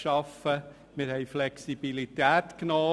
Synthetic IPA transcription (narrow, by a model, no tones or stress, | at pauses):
ʃɑfə | mɪɾhɛɪflɛksib̥ilit̪æːt̪knɔː